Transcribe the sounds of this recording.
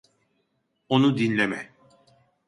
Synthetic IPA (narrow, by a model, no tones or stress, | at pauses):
onud̪inlʲemɛ